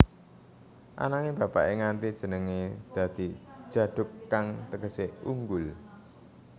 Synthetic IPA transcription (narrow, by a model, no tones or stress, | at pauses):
ʔa̰naŋebä̤pa̰ʔeŋant̪id̥ʒ̥ə̤nəŋed̪̥ä̤d̪̥i̤̥ʒ̥ä̤ɖ̥ʊ̤kːaŋt̪əɡəseuŋɡʊl